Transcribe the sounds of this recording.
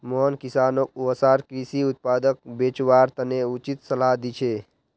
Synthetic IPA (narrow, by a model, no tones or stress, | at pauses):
mɔɦnkisaːnok̚uəsaːɾkɾisiut̪̚paːd̪ək̚beːt͡ʃwaːɾt̪əneut͡ʃit̪səlad̪it͡ʃʰe